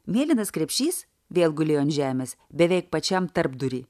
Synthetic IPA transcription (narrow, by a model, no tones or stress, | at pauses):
mʲeɛlʲɪnɐskɾʲɛpʲʃʲiːs | ʋʲeːlˠɡʊlʲɪjoːnʲʒʲæːmʲeːs | bʲɛʋʲɛɪk̚pɐt͡ʃʲɛmt̪ɐɾbd̪ʊɾʲiː